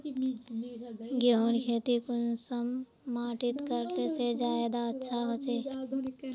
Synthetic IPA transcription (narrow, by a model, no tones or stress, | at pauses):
ɡoonkʰeːt̪ikʊnsəmː | aːʈɪt̪kəɾt̪esed͡ʒaːed̪aətːʃʰaɦoːt͡ʃeː